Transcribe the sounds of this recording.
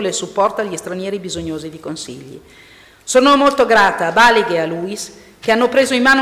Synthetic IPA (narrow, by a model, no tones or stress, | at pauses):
lesupːɔrt̪aʎːist̪ɾanjɛːɾibizoɲːoːzid̪ikonsḭʎːḭ | soːnomolt̪oɡɾaːt̪aːbaliɡealuis | keanːopɾeːzoimːaːn